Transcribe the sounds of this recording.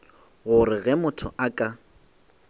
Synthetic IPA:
ɣʊɾɪɣɛmʊtʰʊ̰ʔakʼa

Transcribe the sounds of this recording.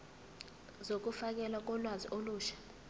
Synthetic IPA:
zok̬ufak̬ɛlak̬ɔlwaziʔoluːʃḁ

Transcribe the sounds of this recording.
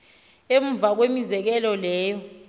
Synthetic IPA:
em̩vak̬wemizɛk̬ɛlɔlɛːjɔ

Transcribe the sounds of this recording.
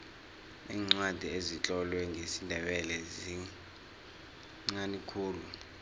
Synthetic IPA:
iːŋ͡ǀwad̥ʱiezit͡ɬʼɔlwɛŋʱesindʱɛɓɛlɛzi | ŋ͡ǀanikʰuːlu

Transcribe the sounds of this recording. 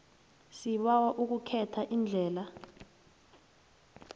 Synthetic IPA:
siɓawaʔuk̬ukʰɛtʰaʔind͡ɮʱɛːla

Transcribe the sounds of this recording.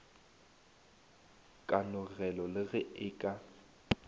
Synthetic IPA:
kʼanʊɣɛlɔlɪɣɛɪːkʼa

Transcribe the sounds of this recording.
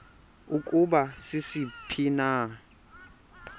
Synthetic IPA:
ukʼubasisipʰina

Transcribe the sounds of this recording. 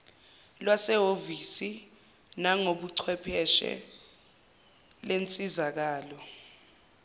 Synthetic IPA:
lwasɛɦovisi | naŋoɓuǀʰwɛpʰɛʃɛ̰ | lent͡sʼizak̬aːlɔ

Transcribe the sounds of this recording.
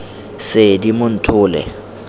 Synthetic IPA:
sɪdimʊn̩tʰʊːlɛ̰

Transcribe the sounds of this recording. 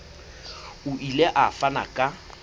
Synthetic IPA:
ʊʔileʔafana̰kʼa

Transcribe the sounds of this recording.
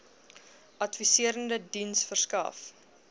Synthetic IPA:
ʔɐtfisiəɾəndədinsfərskɐ̰f

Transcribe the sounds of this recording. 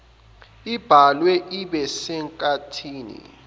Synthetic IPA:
ib̥ʱalwɛʔiɓɛsɛŋkʼatʰiːnḭ

